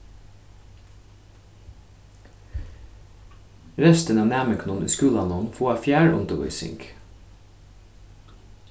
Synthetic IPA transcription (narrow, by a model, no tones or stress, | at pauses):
ɾɛst̪ənɑːʋnæːməkʰnuːnʉ̰ːskʉːlɑnɔnfoːɑfjæːɹʊ̰nt̪əʋœ̰ʏsɪ̰ŋk